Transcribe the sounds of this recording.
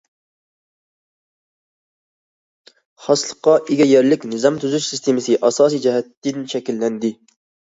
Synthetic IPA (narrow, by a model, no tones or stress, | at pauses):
χɑslˠəqːɑʔeɡʲɛjɛɾlɪkʲnɪzɑmt̪ʰuzyʃsɪst̪ʰemɪsɨʔɑsɑːsijd͡ʒɛɦɛt̪ːɪnʃɛkʲilːɛnd̪ɪ